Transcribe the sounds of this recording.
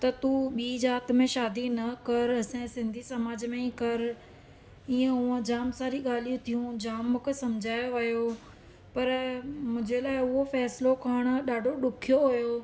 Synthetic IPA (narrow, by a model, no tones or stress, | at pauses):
t̪ɐt̪uɓiːzaːt̪mẽʃaːd̪inɐkɐɾɐsẽsɪ̃nd̪ʱisɐmaːd͡ʑmẽĩkɐɾ | iːẽɦũə̃d͡ʑaːmsaːɾiɠaːl̤ijũt̪ʰijũd͡ʑaːmːʊ̃kesɐmd͡ʑʱaːjoʋɐjo | pɐɾmʊ̃ɦd͡ʑelaːɪʊɦofɛːslokʰaːɽ̃̆ɗaːɖʱoɗʊkʰijoɦʊjo